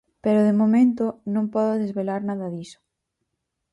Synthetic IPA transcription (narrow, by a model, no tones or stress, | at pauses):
peɾoðemomẽnt̪onõmpɔðoðezβelaɾnaðaðiso̥